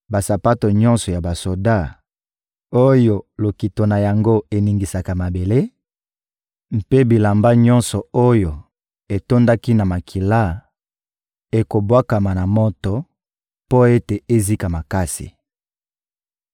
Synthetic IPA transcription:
ba˨sa˨pa˦to˨ɲɔ̃˦nsɔ˨ja˨ba˨so˨da˦˨ | o˦jo˦˨lo˨ki˨to˨na˨ja˨ŋɡo˦e˨ni˨ŋɡi˨sa˨ka˨ma˨be˨le˦ | m̩˨pe˦bi˨la˨mba˦ɲɔ̃˦nsɔ˨o˦jo˨ | e˨to˦nda˦ki˦na˨ma˨kʰi˨la˦ | e˨ko˨bwa˦ka˨ma˨na˨mɔ˦tɔ˨ | po˦e˦te˨e˦zi˦ka˨ma˨ka˦sḭ˨

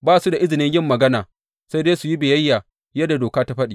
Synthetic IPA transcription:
baː˦su˦da˨ʔɪ˦zɪ˨nɪ˦ɲjɪ˦˨mːɐ˨ɡɐ˦naː˨ | sa˦jdeː˦su˨ji˦beː˨jɐ˦jːaː˨ | jɐ˦da˨doː˨kaː˦ta˦ɸɐ˦ɗiː˨

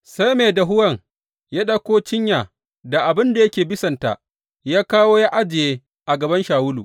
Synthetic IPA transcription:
sa˦jmeː˨da˨ɦʊ˦wɐ˦˨ŋ | ja˦ɗa˦kʷoː˦t͡ʃɪ˦ɲjaː˨ | da˨ʔa˨bɪ˦nda˨jɐ˦kʲeː˨bɪ˦sɐ˨nta̰ː˨ | jaː˦kaː˦woː˦ja˦ʔa˦d͡ʒɪ˨jeː˦ | ʔa˨ɡɐ˨bɐ˦nʃaː˨wʊ˦luː˨

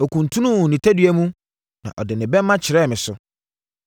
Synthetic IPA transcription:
o˨kũ˨n˨tʰũ˦nũ˦˨nĩ˨tʰæ˦dɥæ˦mũ˦ | nã̰˨ʔɔ˨dɪ˨nɪ̃˨bɛ˦mː˦ã˦t͡ɕʰɪ˨ɾɛː˦˨mɪ̃˨sʊ˦

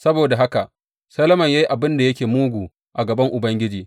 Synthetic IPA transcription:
sɐ˦boː˨da˨ɦa˦ka˨ʔ | sɐ˦lɐ˦mɐ˨ɲja˦ji˦ʔa˨bɪ˦nda˨jɐ˦kʲeː˨muː˦ɡʷuː˨ | ʔa˨ɡɐ˨bɐ˦ŋʔʊ˨bɐ˦ŋɡʲɪ˦d͡ʒiː˨

